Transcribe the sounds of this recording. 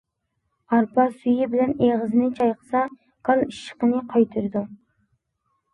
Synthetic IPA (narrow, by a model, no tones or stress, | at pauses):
ɑɾpʰɑsyjɪbɪlɛneʁəzɪnɨt͡ʃʰɑjqʰə̥sɑ | kʰɑlˠiʃːə̥qənɨqʰɑjt̪ʰɨɾɨd̪u